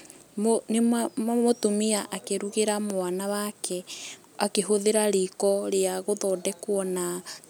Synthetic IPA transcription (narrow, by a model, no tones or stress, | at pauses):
monemmotomiaʔakeɾuɣeɾamoanawakɛ | akeɦoðeɾaɾikɔɾeaɣoðɔdɛkwɔna